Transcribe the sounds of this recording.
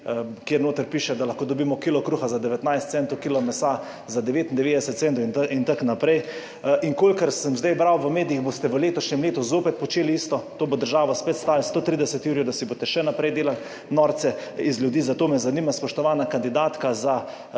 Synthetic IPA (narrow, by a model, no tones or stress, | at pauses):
kjeːɾnoːt̪əɾpiːʃɛd̪alaxkoːd̪ɔbiːmɔkilɔkɾuːxazad̪ɛʋɛt̪najst̪sɛnt̪ɔʊkiːlɔmɛsa | zad̪ɛʋeːt̪ind̪ɛʋeːd̪ɛsɛt̪̚sɛnt̪ɔʊnint̪aknapɾɛj | ʔiŋkoːlʲkəɾsəmzd̪ajbɾawʋəmeːd̪ijiɣboːst̪ɛʋəleːt̪ɔʃɲɛmleːt̪uzoːpɛt̪̚pɔt͡ʃeːlist̪ɔt̪oːbod̪əɾʒaːʋɔspet̪st̪aːlst̪oːt̪ɾiːd̪ɛsɛt̪juːɾijwd̪asibot̪ɛʃɛnapɾɛjd̪eːlal | nɔːɾt̪sɛizljud̪iːzat̪oːmɛzaniːmaspɔʃt̪ɔʋaːnakand̪id̪aːt̪kaza